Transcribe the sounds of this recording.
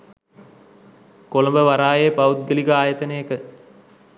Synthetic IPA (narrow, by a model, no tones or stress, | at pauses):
koləmbəʋaɾaːjepaut̪̚ɡəlikəaːjət̪ənejəkə